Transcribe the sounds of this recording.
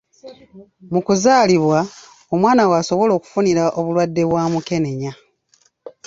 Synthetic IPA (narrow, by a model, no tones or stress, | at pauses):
mukuzaːliβwa | o̞mwaːnawaːso̞βo̞lo̞ːku̥funiɾaʔo̞βulwadːe̞βwaːmuke̞ne̞ɲa